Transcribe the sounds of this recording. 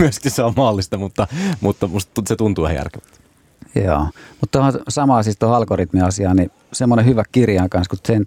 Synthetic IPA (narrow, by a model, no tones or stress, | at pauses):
myøskiseommɑlːist̪ɑmut̪ːɑmut̪ːɑmust̪tuset̪unt̪uʋæhæ̰jæ̰rkeʋæt̪ | jo̰ːmut̪t̪ohɑsɑmɑːsist̪ohɑlkorit̪miɑsiɑːni | semːonehyʋækkirjɑŋkɑnskut̪sen